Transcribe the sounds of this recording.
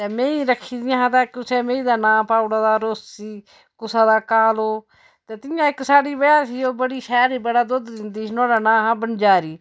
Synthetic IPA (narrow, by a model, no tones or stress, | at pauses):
t̪eːmẽːiːɾəkʰːiːd̪ijãɦãːt̪aːkʊsɛːmẽːĩːd̪aːnãːpaːʊɽaːd̪aːɾoːssiː | kʊsaːd̪aːkaːloː | t̪eːt̪ɪjãːɪksaːɽiːbəjaːsiːoːbəɽiːʃɛːɾiːbəɽaːd̪ʊd̪d̪ɪnd̪iːsnõːɽaːnãːɦãːbənd͡ʒaːɾiː